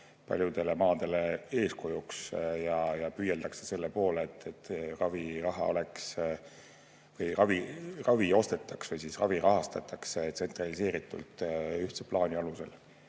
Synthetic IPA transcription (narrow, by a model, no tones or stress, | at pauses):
pɑ̰lʲjud̪̥e̞le̞mɑːd̪̥e̞le̞e̞ːsko̞juksjɑjɑpyːjeld̪ɑksese̞lːe̞po̞ːleːt̪ːet̪ːrɑvirɑɦɑ̰o̞leks | vɯjrɑvirɑvio̞st̪e̞t̪ːˑɑksvɯjsisrɑviɾɑɦɑst̪ɑt̪ːɑkset̪se̞nt̪rɑlise̞ːɾit̪ːˑṵlt̪ˑyht̪seplɑːnʲiɑluse̞̰l